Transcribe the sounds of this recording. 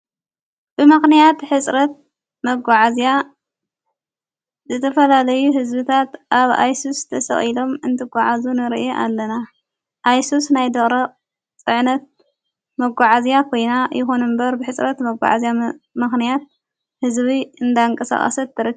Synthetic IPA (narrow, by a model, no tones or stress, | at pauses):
b̥ɨmɨxnijat̪ħɨt͡sʼɾɐt̪̚ | mɐɡʷaʕazija | zɨt̪ʰɐfɐlalɐjuɦɨzbɨt̪ʰat̪ʔaβa̰jsust̪ʰɐsɐ̰χʼilo̞mɨnt̪ʰɨɡʷaʕazunɨɾʔeʔa̰lːɐna | ʔajsusnajd̪ɐχʼɾɐqʼ | t͡sʼɨʕnɐt̪̚ | mɐɡʷaʕazijakʰo̞jnajɪxo̞nɨmbɐɾbɨħɨt͡sʼɾɐt̪mɐɡʷa̰ʕa̰zjamɨxnijat̪̚ | hɨzβiɨnd̪aɨŋkʼɐsa̰χʼɐ̰sɐt̪ʰːɨɾɨ